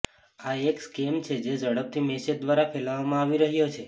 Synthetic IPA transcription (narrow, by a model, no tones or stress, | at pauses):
aekskemt͡ʃʰed͡ʒed͡ʒəɽəp̚t̪imesəd̪ʋaɾafʰɛlaʋamãaʋiɾəɦjot͡ʃʰe